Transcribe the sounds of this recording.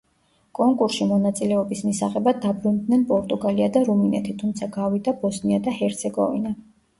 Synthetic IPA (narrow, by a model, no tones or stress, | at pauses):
kʼɔŋkʼuɾsʃimɔnat̪sʼilɛɔbismisaʁɛbad̪abɾund̪nɛnpʼɔɾt̪ʼuɡaliad̪aɾuminɛ̰t̪ʰit̪ʰumt̪sʰaɡavid̪abɔsniad̪ahɛɾt̪sʰɛɡɔ̰vḭna